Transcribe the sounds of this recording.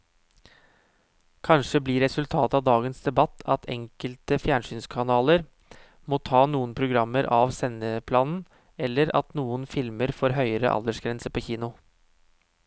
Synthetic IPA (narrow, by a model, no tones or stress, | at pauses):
kʰɑnʂəbliːɾɛsʉlt̪ʰɑːt̪ɑʋd̪ɑːɡənsd̪ɛbɑt̪ʰːɑt̪ʰɛ̰ŋkəlt̪əfjæːɳʂyːnskʰɑnɑːləɾ | moːt̪ʰɑːnuːənpʰɾʊɡɾɑmːəɾʔɑʋsɛnəpʰlɑːnn̩ | ɛlːəɾɑ̰t̪nuːənfɪlməɾfoːɾɦœʏəɾə̰ʔɑ̰ld̪əʂɡɾɛnsəpʰoːçiːnʊ